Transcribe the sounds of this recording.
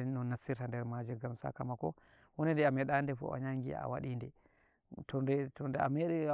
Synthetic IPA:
nɔnːasiɾtandɛɾmad͡ʒiɡamsa̰kamakɔ̰ | wɔnɛndɛamɛɗandɛfɔ̰ʔa̰ɲaŋɡḭa̰waɗindɛ | tɔndɛtɔndɛa̰mɛɗɛ

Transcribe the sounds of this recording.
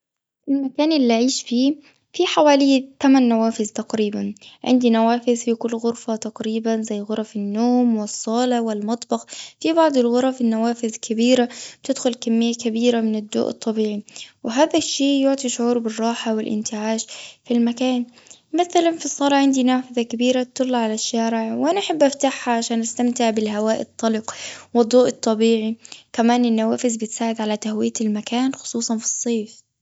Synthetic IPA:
ɪlmakaːnʔɪlːiʕiːʃfiː | fiːħawaːlɪjːt̪amanːawaːfɪzt̪aqɾiːbanʕɪ̰nd̪inawaːfɪðfikʊlːɣʊɾfat̪aqɾiːbanzæjːɣʊɾˤɑfɪnːoːmwɪsˤːɑːlɑwɪlmɑt̪ˤbɑxfibɑʕd̪ˤɪlɣʊɾˤɑfinːawaːfɪðkʰabiːɾabt̪ɪd̪xʊlkamːɪjːakabiːɾamɪnɪd̪ːo̰ːʔɨ̰t̪ˤːɑbiːʕiwɪɦaːðaʃːeːʔjʊʕt̪ˤiʃʕuːɾˤbɪrˤːɑːħawɪlʔɪ̰nt̪ɪʕaːʃfilmakaːn | maθalanfisˤːɑɾˤɑʕɪnd̪inaːfɪðakabiːɾat̪ːʊlːɑʕalaʃːaːɾɪʕwʔanaʔaħabːʔaft̪aħhaʕaʃaːnʔast̪amt̪ɪʕbɪlɦawaːʔɪt̪ˤːɑlɪqwɪd̪ˤːoːʔɨt̪ˤːɑbiːʕikamaːnɪnːawaːfɪzbɪt̪saːʕɪd̪ʕalat̪ahwɪjːalmakaːnxʊ̥sˤuːsˤɑnfi̥sˤːeːf

